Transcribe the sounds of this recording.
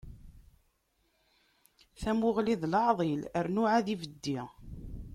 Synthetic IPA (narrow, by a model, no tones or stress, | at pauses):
θæmʊʁliðlɑʕðˤiləɾnʊʕaðivəd̪ːi